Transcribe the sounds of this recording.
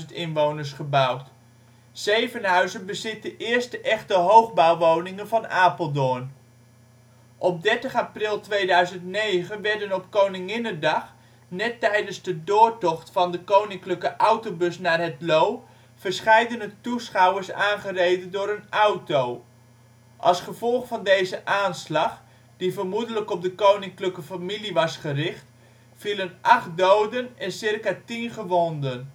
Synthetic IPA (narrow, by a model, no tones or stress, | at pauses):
ntɪnʋownəɹsχəbʌwt | zejvənɦœɥzənbəzɪtdəʔɪːɹstəʔɛχtəɦowχbawʋownɪŋənvɑnaːpəlˠdɔn | ʔɔp̚dɛɹtəχaprɪlˠtʋejdœɥzəntnejχənʋɛɹdənɔpkownɪŋɪnədɑχ | nɛtːɛjdənzdədʊːɹtɔχtfɑndəkownɪŋkləkəʔʌwtobɵsnaːɹɦɛtlow | fərsχɛjdənətusχawəɹsaːnχərejdəndʊːɾənawtow | ʔɑlˠsχəvɔlˠχfɑndejzəʔaːnslɑχ | d̥ivərmudələkɔp̚dəkownɪŋkləkəfamiliʋɑsχərɪχt | filənʔɑχt̚dowdənɛnsɪrkatinχəʋɔndən